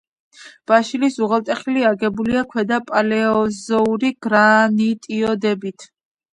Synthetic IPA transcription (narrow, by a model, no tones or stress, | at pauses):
b̥aʃilisuʁɛlt̪ʼɛχiliaɡɛbuliakʰwɛd̪apʼalɛɔzɔuɾiɡ̥ɾanit̪ʼiɔd̪ɛbit̪ʰ